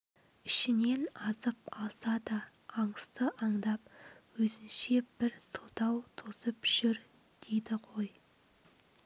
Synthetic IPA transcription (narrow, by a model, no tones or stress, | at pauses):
ɪʃɪne̞nɑzəpɑlˠsɑd̪ɑː | ɴəst̪əʔɑɴd̪ɑp̚wɵzɪnʃe̞b̥ɪɾsəlˠt̪ɑwt̪ʰozəpʒ̥ʏɾ | d̪̥ed̪ɪʁʰo̞j